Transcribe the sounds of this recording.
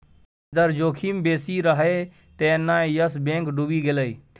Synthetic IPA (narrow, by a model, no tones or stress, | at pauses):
d̪əɾd͡ʒoːkʰimbeːsiɾəɦe | t̪enːaːejəsbẽːŋkɖubiɡeləi